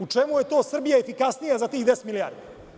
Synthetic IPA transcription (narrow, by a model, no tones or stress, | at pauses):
ut͡ʂemuje̞t̪o̞ːsr̩bijaefikasnijazat̪iːɣd̪est̪milija̰ːɾd̪e